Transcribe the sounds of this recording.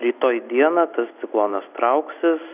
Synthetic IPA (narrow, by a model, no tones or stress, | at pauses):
ɾʲiːt̪oːjd̪ʲiɛnɐːt̪ɐst̪sʲɪklˠoːnɐst̪ɾɐʊksʲɪs